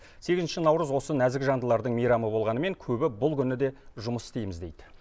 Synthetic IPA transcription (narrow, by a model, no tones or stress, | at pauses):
se̞ɡʲɪznʃɪnɑwɾəzwo̞sənæzɪɡʲɪʒɑnd̪əlˠɑɾd̪əɴmejɾɑməbo̞lˠʁɑnəme̞ŋkʲʰɵbɪbʊlˠkʲʰʏnɪd̪e̞ʒʊməsɪst̪ejmɪzd̪ejd̪ɪ